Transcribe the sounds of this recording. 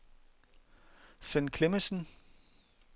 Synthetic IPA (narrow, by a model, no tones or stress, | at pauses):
fenkʰle̝məsn̩